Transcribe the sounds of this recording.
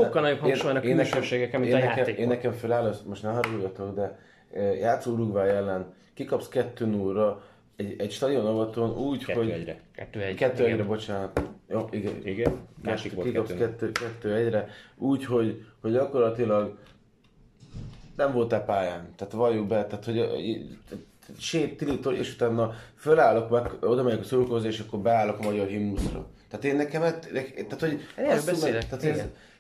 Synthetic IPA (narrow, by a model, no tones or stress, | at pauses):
ʃokːɒlnɒjophenʃonɔeːnːɛkɛmʃeːɡɛkɛmeːnɛɛeːnːɛkɛmfølaːlosmo̞ʃt̪nɛɦɒɾoːjɒt̪o̞ɡd̪ɛ | jaːt̪soːɾuɡvaːɛlːɛn | kikɒpskɛt̪ːøːnuːrɒ | ɛɟɛcʃt̪ɒd̪ijonɒvɒt̪onuːcho̞ɟɾɛkɛːɛkɛt̪ːøːɛɟɾɛbo̞t͡ʃaːnɒt̪joiɡɛiɡɛkikkɒpskɛt̪ːøːkɛt̪ːøːɛɟrɛuːcho̞ɟhoɟɟɒko̞rlɒt̪ilɒɡ | nɛɱvo̞lt̪ɛpaːjaːnt̪aːt̪vɒjobɛt̪aːt̪ho̞ɟ̰ | ʃeːt̪ːilit̪oʔḛːʃut̪aːnːɒfølaːlo̞kmɛkːo̞d̪ɒmɛɲokɒsolkoːzeːʃɒkːo̞rbɛaːlːo̞kɒmɒɟɒrɦimːusrɒ̰t̪aːt̪eːnːɛkɛmɛt̪ɛkt̪aːt̪hoɟsbumɛt̪aːt̪heː